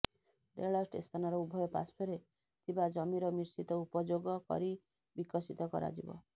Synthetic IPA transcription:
d̪eɭɔsʈest̪ʰɔnɔɾɔubʱɔjɔpa̰spʰɔɾe | t̪ʰibad͡ʒɔmiɾɔmiɾsit̪ɔupɔd͡ʒoɡɔkɔ̰ɾi | bikɔsit̪ɔkɔ̰ɾa̰d͡ʒḭbɔ̰

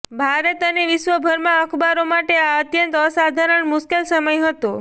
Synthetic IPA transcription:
bʱaɾət̪əneʋɪʃʋəbʱəɾmãəkʰbaɾomaʈeaət̪jənt̪əsad̪ʱaɾəɳmʊʃkelsəməjɦət̪o

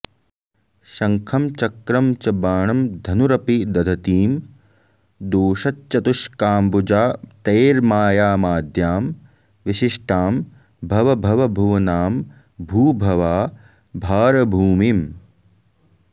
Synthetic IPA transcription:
ʃɐŋkʰɐmt͡ʃɐkɾɐmt͡ʃɐbaːɳɐmd̪ʱɐnuɾɐpid̪ɐd̪ʱɐt̪iːm | d̪oːʃɐt̪̚t͡ʃɐt̪uʃkaːmbud͡ʒaːt̪eːɾmaːjaːmaːd̪ʱjaːm | ʋiʃiʂʈʰaːm | bʱɐʋɐbʱɐʋɐbʱuʋɐnaːm | bʱuːbʱɐʋaː | bʱaːɾɐbʱuːmiːm

